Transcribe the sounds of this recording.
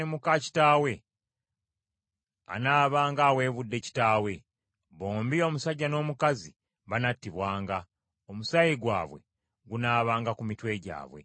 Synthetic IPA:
emukaci̥taːwe̞ | a̰naːβaːŋɡaːwe̞ːβudːe̞ci̥taːwe̞ | βo̞ːmbio̞ːmusaɟːano̞ːmukazi | βanatːiβwaːŋɡa | omusajiɡwaːβwe̞̰ | ɡunaːβaːŋɡakumitwe̞ɟa̰ːβwe̞̰

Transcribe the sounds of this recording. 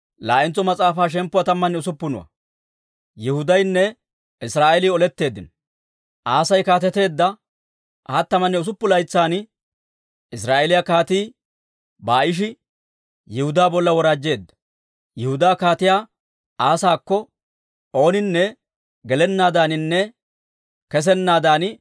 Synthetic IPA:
laːʔɪnt͡sɔmɐt͡sʼaːfaːʃ̬ɛmpːʊwɐt̪ɐmːɐnːɛʊsʊpːʊnʊ̰wɐ̰ | jɛhʊd̪ɐjnːɛ | ɪsɾaːʔɛlɪːɔlɛt̪ːe̞ːd̪ːɪn | ʔaːsɐjkaːt̪̬ɛt̪e̞ːd̪ːɐ | hɐt̪ːɐmɐnːɛʊs̬ʊpːʊlɐjt͡sːaːn | ɪsɾaːʔɛlɪjakaːt̪iː | baːʔɪʃ̬ɪ | jɛhʊd̪aːbɔlːɐwɔɾaːd͡ʒːe̞ːd̪ːɐ̥ | jɛhʊd̪aːkaːt̪ɪjaː | aːsaːkːɔ | ʔo̞ːnɪnːɛ | ɡɛlɛnːaːd̪aːnɪnːɛ | kɛs̬ɛnːaːd̪aːn

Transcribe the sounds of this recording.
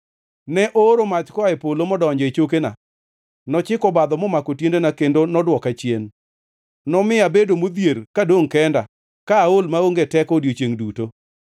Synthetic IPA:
nɛʔoɾomat͡ʃkɔaɛpolomɔdɔɲd͡ʒɔet͡ʃok̬ena̰ | nɔt͡ʃɪkɔbad̪ɔmɔmakotjendenakendonɔdwɔkat͡ʃjen | nɔmɪabedomod̪jerkadoŋkɛnda | kaːolmaoŋɡetɛkɔdjot͡ʃjeŋduto

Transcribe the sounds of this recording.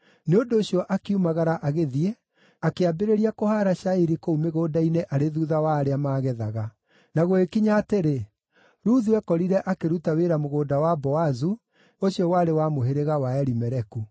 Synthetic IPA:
neondoːɕijɔʔakiumaɣaɾaʔaɣeðie | akeabeɾeɾiakohaɾaʃaiɾikoumeɣoːdaineʔaɾeðuðawaːɾeamaːɣɛðaɣa | naɣoekiɲaːteɾe | ɾuːðuɛkɔɾiɾɛʔakeɾutaweɾamoɣoːdawabɔazu | oɕiɔwaɾewamoɦeɾeɣawaɛɾimɛɾɛku

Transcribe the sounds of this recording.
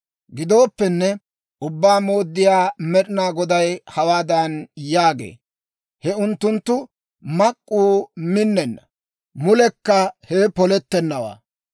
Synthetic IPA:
ɡɪd̪o̞ːpːɛnːɛ | ʔʊbːaːmo̞ːd̪ːɪjaːmɛɗɪnaːɡɔd̪ɐjhɐwaːd̪ɐnjaːɡḛː | hɛʊnt̪ːʊnt̪ːʊ | mɐkʼːuːmɪnːɛnːɐ̥ | mʊlɛkːɐhɛpɔlɛt̪ːɛnːɐwa̰ː

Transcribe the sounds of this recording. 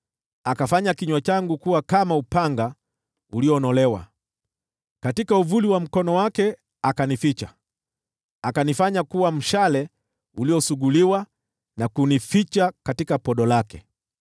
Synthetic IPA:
akafaɲakiɲwat͡ʃaŋɡukuwakamaupaŋɡa | uliɔnɔlɛwa̰ | katikauvuliwam̩kɔnɔwakɛ | akanifit͡ʃa | akanifaɲakuwam̩ʃalɛ | uliɔsuɠuliwa | nakunifit͡ʃakatikapɔɗɔlakɛ

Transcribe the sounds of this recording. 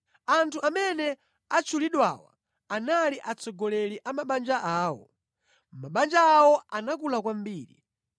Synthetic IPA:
antʰuʔamɛnɛ | at͡ʃʰuliɗwawa̰ | analiʔat͡sɔɡɔlɛliʔamaɓand͡ʒaʔaːwɔ̰ | maɓand͡ʒaːwɔanakulakwam̩biːɾḭ

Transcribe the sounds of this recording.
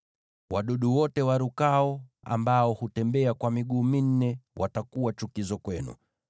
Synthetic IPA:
waɗuɗuwɔtɛwaɾukaɔ | a̰mbaɔhutɛmbɛakwamiɠuːmin̩nɛwʔatakuwat͡ʃukizɔkwɛnṵ

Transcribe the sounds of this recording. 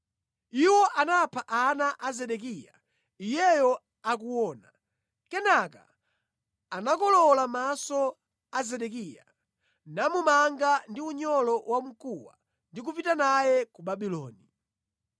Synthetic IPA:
iwɔʔanapʰaʔanaʔazɛɗɛk̬ija | ijɛjɔ | ak̬uwɔːna | kɛnaka̰ | anakɔlɔlamasɔ | azɛɗɛkija̰ | namumaŋɡandiuɲɔlɔwam̩kuwa̰ | ndik̬upitanajɛkuɓaɓilɔ̰ːni

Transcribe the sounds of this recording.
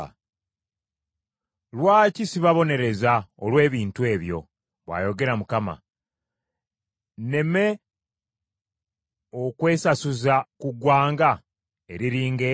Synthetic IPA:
lwaːcisiβaβo̞ne̞ɾe̞zaolwe̞ːβiːntue̞ːβjo̞̰ | βwa̰ːjo̞ɡe̞ɾamukama̰ | ne̞me̞ | o̞kwe̞ːsasuzakuɡwaːŋɡa | e̞ɾiɾiːŋɡe

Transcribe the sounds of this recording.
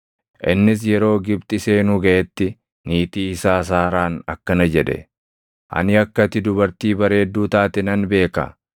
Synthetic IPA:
ʔɪnːɪs̬jɛɾo̞ːɡɪbt̪ʼɪseːnʊɡɐʔɛt̪ːɪ | niːt̪iːɪsaːs̬aːɾaːnɐ̰kːɐnɐd͡ʒɛᶑɛ̰ | ʔɐ̰nɪɐkːɐt̪ɪd̪ʊbɐɾt̪iːbɐɾe̞ːd̪ːuːt̪aːt̪ɛnɐnbe̞ːkɐ̰

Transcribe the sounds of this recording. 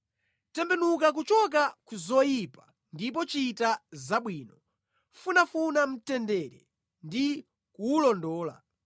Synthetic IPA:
tɛmbɛnukak̬ut͡ʃɔk̬akuzɔjipḁ | ndip̬ɔt͡ʃitazaɓwiːnɔ | funafunam̩tɛndɛɾɛ | ndi | kuːlɔndɔːla̰

